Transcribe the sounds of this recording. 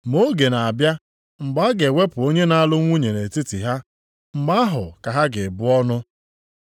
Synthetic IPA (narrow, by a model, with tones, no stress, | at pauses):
mo˦ɡe˨na˨a˨bja˦ | ŋ͡m̩˨ɡ͡ba˦ɡe˨ŋʷe˦pʊ˨o˦ɲe˦na˦lʊ˦ŋʷu˦ɲe˨ne˨ti˦ti˨ɦa˦ | m̩˨ɡ͡ba˦a˦ɦʊ̰˨ka˨ɦa˦ɡɪ˨bʊ˦ɔ˦nʊ˦